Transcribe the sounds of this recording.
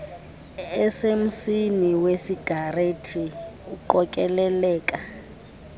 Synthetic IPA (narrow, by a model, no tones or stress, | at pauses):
ɛsem̩siniwesiɡ̥ʱaretʰiuǃɔkʼɛlɛlɛːkʼa